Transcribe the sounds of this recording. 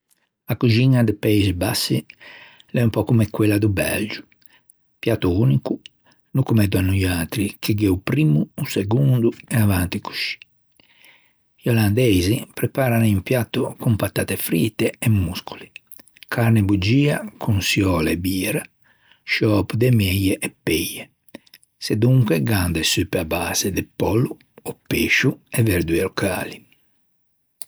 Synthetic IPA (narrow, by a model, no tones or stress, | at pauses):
akud͡ʒiɲad̪ɛpɛizbasːi | lɛumpɔkumɛkwɛlːad̪ubɛ̰ld͡ʒu̥ | pjat̪ːuuniku | nukumɛd̪uanujaːt̪ɾikiɡɛupɾimuːsɛɡund̪uɛavant̪iku̥ʃi̥ | iɔland̪ɛzipɾɛpaːɾanimpjat̪ːukumpat̪aːt̪efɾiːt̪ːeːmːuskʰu̥li | kʰaɾnebud͡ʒiːakʰunsjɔːlebiːɾa | ʃɔːpd̪emɛjɛʔɛpːɛje | sed̪uŋkwɛɡand̪esypːabaːz̥ed̪ɛpɔlːu | ɔpːeːʃuɛvɛɾd̪yɛlɔkʰa̰ːli